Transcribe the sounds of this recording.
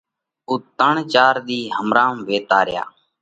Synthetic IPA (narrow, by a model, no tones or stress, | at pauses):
uːt̪əɳt͡ʃaːɾd̪iːɦəmɾãːmʋeːt̪aːɾɪja̰ː